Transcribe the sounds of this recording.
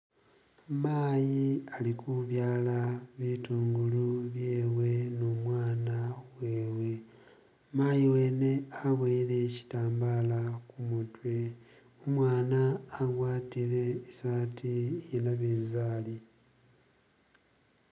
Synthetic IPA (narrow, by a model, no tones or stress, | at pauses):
maːjialikuβjaːlaβituːŋɡuluβje̞ːwe̞noːmwaːnawe̞ːwe̞ | maːjiweːne̞aβweːɾe̞ci̥taːmbaːlakumutwe̞ | omwaːnaːɡwaːtiɾe̞ːsaːtʰijenaβiːnzaːli